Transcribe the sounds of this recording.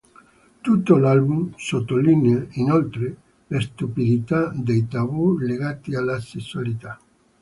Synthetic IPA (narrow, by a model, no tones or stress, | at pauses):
t̪ut̪ːolalbumsot̪ːolineainolt̪ɾe | lest̪upid̪it̪ad̪ejt̪aβuleɣat̪ialasesualit̪a